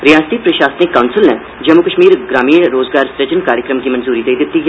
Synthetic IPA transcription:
ɾijaːst̪ipɾɐʃaːsnɪkːaʊnsəlnɛ | d͡ʒɐmukəʃmiːɾɡɾaːmiːɽ̃ɾoːzɡaːɾsɾed͡ʒənkaːɾjəkɾəmɡimɐnzuːɾid̪eid̪ɪt̪ːiɦ

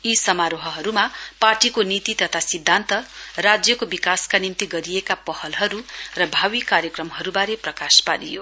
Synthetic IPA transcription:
isʌmaɾoɦʌɦʌɾumaparʈikonit̪it̪ʌt̪ʰasid̪ʱːant̪ʌrad͡zjʌkobikaskanimt̪iɡʌɾijekapʌhʌlɦʌɾurʌbʱawikaɾjʌkrʌmɦʌɾubaɾeprʌkaspaɾijo

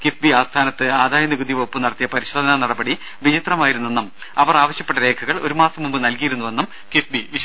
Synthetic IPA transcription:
kifbiaːst̪ʰaːnɐt̪ːɨaːd̪ʱaːjɐniɡud̪iʋopːɨnɐɽɐt̪ːijɐpɐɾiɕod̪ʱɐnɐnɐɽɐbɐɽi | ʋit͡ɕit̪rɐmaːjiɾunːenːɐm | ɐʋɐraːʋɐɕjɐpːeʈːɐɾe̞ːkʰɐɣɐɭo̞̰ɾumaːsɐmumbɨnɐlkijiɾunːuʋe̞nːum | kifbiʋi

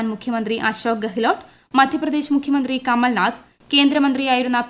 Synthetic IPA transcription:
nmukʰjɐmɐnt̪ɾiʔɐʃoːk̚ɡɐɦiloːʈ | mɐd̪ʱjɐprɐd̪e̞ːʃɐmukʰjɐmɐnt̪ɾikɐmːɐlnaːd̪ʰʱ | ke̞ːnd̪ɾɐmɐnt̪ɾiaːjiɾunːɐ

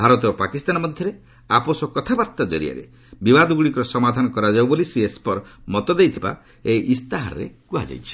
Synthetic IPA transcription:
bʱaɾɔt̪ɔopakist̪anɔmɔd̪ʱjɔɾe | aposɔkɔt̪ʰabaɾt̪ɔd͡ʒɔ̰ɾḭa̰ɾḛ | bibad̪ɔɡuɽikɔɾɔsɔmad̪ʱanɔkɔɾad͡ʒawbolisiespɔɾmɔt̪ɔd̪ejt̪ʰiba̰ | eʔist̪aɦaɾɔ̰ɾḛkuad͡ʒa̰jt͡ʃʰi̥

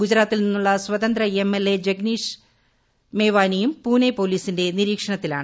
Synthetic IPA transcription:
ɡud͡ʑɾaːt̪ːilninːuɭːɐswɐt̪ɐnd̪ɾɐemːelːe̞d͡ʑeɡniːʂ | meːʋaːnijumpuːnepo̞ːliːsinde̞niɾiːkʂɐɳɐt̪ːila̰ːɳɨ

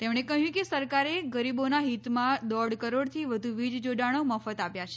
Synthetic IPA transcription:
t̪emɽ̃ekəɦjũkesəɾkaɾeɡəɾibonaɦit̪mãd̪ɔɽkəɾoɽt̪ʰiʋəd̪ʱuʋid͡ʒd͡ʒoɖaɽ̃oməfət̪apjat͡ʃʰe̥

